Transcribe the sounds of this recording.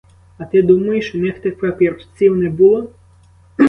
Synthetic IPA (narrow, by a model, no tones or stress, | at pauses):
ɐt̪ɪd̪umɐjɪʃnɛxt̪ɛpɐpʲirft͡s̪ʲiwnɛbulˠɔ